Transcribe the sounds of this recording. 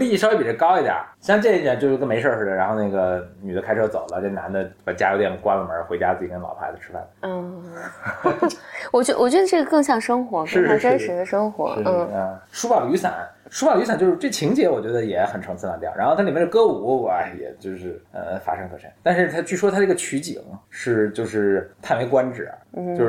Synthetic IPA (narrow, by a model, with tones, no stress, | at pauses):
li˥˧i˥˩ʂwe˥˩ɪpɛ˨˩˥kɑ˥ʊi˧˥d̪jɐ̰˨˩˦ɕjɑ˥˧ŋt͡ɕjɛ˥˧ni˥˩jɛ˨˩t͡ɕjo˧ʂ̩˥kə˥me˧˥ɪʂə˞˥˧˩ʂ̩˥˩ɻa˧˥nxo˥˧ʊna˥˩ɡə˩ny˨˩ə˦kʰa˥ɪʈ͡ʂʰɤ˥t͡so˨˩ʊlə˦˧˩ɛ˥˩na̰˧˥nd̪ə˧pa˨˩t͡ɕja˥jo˧˥t̪ɛ˧˩nə˩kwa˥lə˨˩mə̰˞˧˥xwe˧˥ɪt͡ɕja˥t͡sɹ̩˥˩t͡ɕi˨˩kə˥nlɑ˨˩pʰa̰˧˥ɪd̪ə˧˩ʈ͡ʂʰɻ̩˥fa̰˥˩n̩˥˩˥ | wɔ˨˩t͡ɕɛ˧˥wɔ˨˩t͡ɕɥɛ˧˥d̪ə˧ʈ͡ʂɤ˥˩ə˩kɤ˥˧ŋɕ̬jɑ˥˩ŋʂɤ˥ŋxwɔ˧˥kʂɻ̩˥˧ʂ̩˥˧ʂə˥nʂə˧˥d̪ə˧ʂɤ˥ŋxwɔ̰˧˥˧ | ʂu˥pɑ˨˩ly˧˥sa̰˨˩˦nʂu˥a˨˩ly˥sa˨˩nt͡ɕo˥˧ʊʂɻ̩˥t͡swe˥˩t͡ɕʰi˧˥ŋt͡ɕjɛ˧˥wɔ˨˩t͡ɕɥɛ˧˥d̪ə˧jɛ˧˥xə˨˩nʈ͡ʂʰɑ˧˥ŋt͡sʰɹ̩˥˧na˧˥nt̪ja̰˧˥xt̪ʰa˥li˨˩mɛ˥˩d̪ə˧kɤ˥u˧˥u˨˩ɐ˧jɛ̰˨˩t͡ɕjo˥˧ʊʂɻ̩˥˩ə̰˧fa̰˥ʂɤ˥ŋkʰɤ̰˨˩ʂɛ̰˧˥nt̪a˥˧nʂɻ̩˥˧t̪ʰa˥t͡ɕy˥˩ʂwɔ˥t̪ʰa˥ə˩˧˥ɡə˧t͡ɕʰy˧˥t͡ɕḭ˨˩˦ŋʂɻ̩˥˧t͡ɕjo˥˧ʊʂɻ̩˥˩t̪ʰa˥˩me˧˥ɪkwa˥nʈ͡ʂɻ̩̰˨˩˦t͡ɕjo˥˧ʊʂ